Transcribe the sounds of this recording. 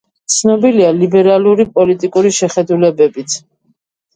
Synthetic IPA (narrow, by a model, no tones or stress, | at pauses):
t̪sʰnɔbilialibɛɾaluɾipʼɔlit̪ʼikʼuɾiʃɛχɛd̪ulɛbɛbit̪sʰ